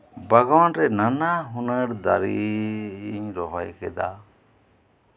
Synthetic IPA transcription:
baɡawanɾɛnanaɦunəɾd̪aɾi | iɲɾɔɦɔjkʰɛ̰d̪a̰

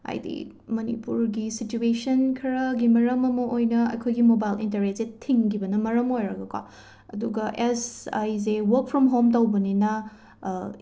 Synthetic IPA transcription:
a̰jdḭ | mɐnḭpuɾɡisituesɐnkʰɐɾɐɡimɐɾɐmɐmɐʔojnɐɐ̰jkʰojɡimobajlḭntɐɾesetʰiŋkʰibɐnɐmɐɾɐmojɾɐɡɐkwa̰ | ɐ̰duɡɐʔesa̰jzewɐk̚pʰɾɔmɦomtawbɐninɐ

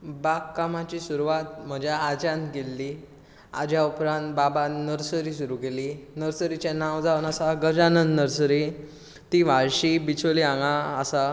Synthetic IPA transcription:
bakːamat͡ɕisuɾuʋat̪̚m̤əd͡ʑjaːd͡ʑãnɡelːi | a̰d͡ʑjaupɾãnt̪̚babanəɾsəɾiːs̬uɾukeliːnəɾsəɾit͡ɕjanaʋd͡zaʋnasaɡəd͡ʑanənd̪nəɾsəɾi | t̪iʋaɭɕibit͡sʰoliãŋɡãəsa

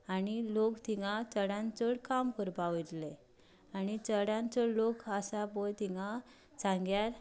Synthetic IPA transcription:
anilokt̪iŋɡãt͡səɽãnt͡səɽkamkəɾbaʋt̪le | anit͡səɽãnt͡səɽlokəsabolt̪iŋa | t͡sãŋɡjaɾ

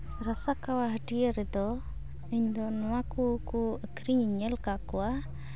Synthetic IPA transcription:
ɾasakawaɦəʈiəɾɛd̪ɔ | iɲd̪ɔnɔwakukuəkɾiɲiɲəlkakɔwa

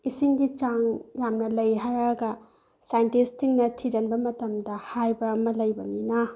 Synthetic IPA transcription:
isiŋɡit͡ʃaŋjamnɐlɐjɦaɾɐɡɐ | sajntistʰiŋnɐtʰid͡ʒɐnbɐmɐtɐmdɐhajbɐːmɐlɐjbɐninɐ

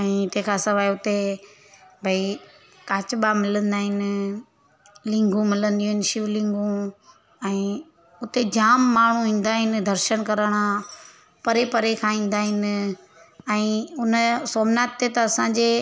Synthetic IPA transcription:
ɛ̃ːt̪eɦkʰãsɐʋaːjʊt̪e | bʱɐi | kaːt͡ɕɓamɪlə̃nd̪aːɦɪnɪ̆ | lɪ̃ŋɡũmɪlə̃nd̪ijũɦɪnɪʃɪʋlɪ̃ŋɡũ | ɛ̃ː | ʊt̪ed͡ʑaːmːaːɳ̤ũɦĩːn̆d̪aːɦɪnɪ̆d̪ʱɐɾʃəñkɐɾəɽ̃ã | pɐɾepɐɾekʰãĩːn̆d̪aːɦɪnɪ̆ | ɛ̃ːʊnəsoːmnaːt̪ːet̪ɐɐsãɲd͡ʑe

